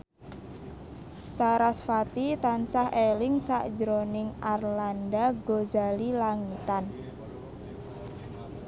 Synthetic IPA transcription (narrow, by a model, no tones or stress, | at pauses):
saɾasfat̪it̪ansahelɪŋsa̰ʔd͡ʒəɾonɪŋarlandaɡozalilaŋit̪an